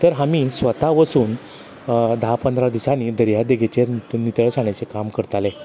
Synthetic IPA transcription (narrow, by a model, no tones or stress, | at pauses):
t̪əɾɦamiːsʋət̪aʋət͡suːn | d̪əɦapənd̪ɾad̪isaniːd̪əɾjad̪eɡʱet͡ɕenit̪əɭsaɳ̃at͡sekamkəɾt̪ale